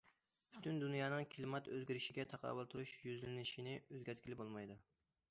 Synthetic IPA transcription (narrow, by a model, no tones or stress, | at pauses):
pʰy̥t̪ʰynd̪unjɑːnɨŋkʲʰilˠmɑt̪øzɡʲiɾɪʃɪɡʲɛt̪ʰɑqʰɑ̰ːwɨlˠt̪ʰuɾuʃjyzlɪnɪʃinɪøzɡʲæɾt̪̚kʲʰilɪbolˠmɑjd̪ɨ